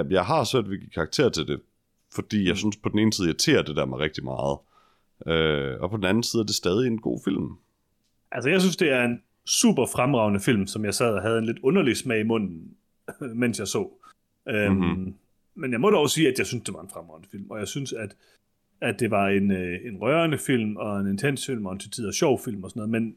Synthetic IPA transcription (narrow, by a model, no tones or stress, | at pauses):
jɑ̈ɪɦɑ̈søɐ̰d̥ʋeɡ̥ikʰɑ̈ːɡ̥̚t͡sʰe̝ːɐ̰t͡sʰe̝ld̥e̝ | fɒ̽d̥ḭːjɑ̈ɪsynspʰɒ̽d̥n̩e̝ːnsið̩ˠjaɪt͡sʰe̝̰ːɐd̥e̝d̥æɐ̰meʁeɡ̥d̥imɑ̈ːð̞̩ˠ | øɒ̽pʰɒ̽d̥n̩æn̩siːðˠæɐd̥e̝sd̥ɛːðˠienɡ̥o̝̰ːfil̰m | ʔæls̬əjɑaɪs̬ynsd̥e̝æɐe̝n | sṵːb̥ɐfʁamʁɑ̈ʊnəfil̰msɒ̽mjɑɪsɛ̰ðˠɒɦæð̞ˠenle̝d̥ɔ̽nɐlismɛimɔ̽n̰n̩ | men̰sjɑ̈ɪsɔ̰̽ː | ø | menjɑɪmɒ̽ɾ̥ɒʊsiːæd̥jɑ̈ɪsynsd̥e̝ʋɑ̈e̝nfʁamʁɑ̈ʊnəfil̰mɒ̽jɑ̈ɪsynsæd̥ | æd̥e̝ʋɑ̈e̝nøe̝nʁɶɐnəfil̰mɒ̽e̝ne̝nt͡sʰen̰sfil̰mɒ̽ent͡sʰit͡sʰið̰ˠɒɕɒʊ̰fil̰mɒsɒnɔð̩ˠmen